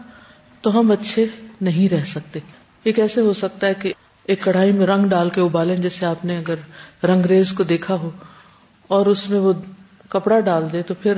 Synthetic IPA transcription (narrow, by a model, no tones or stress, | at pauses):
t̪oɦɐmɐtːʃʰenɐɦĩɾɛɦsɐk̚t̪eː | eːkɛːseɦosɐk̚t̪aɦɛke | eːkːɐɽ̤aːimẽɾɐ̃ŋɡɖaːlkeʊbaːlẽd͡ʒɛːseaːpneɐɡəɾɾɐ̃ŋɡɾeːzkod̪eːkʰaɦo | ɔːɾʊsmẽʋo | kɐpɽaɖaːld̪ẽt̪opʰɪɾ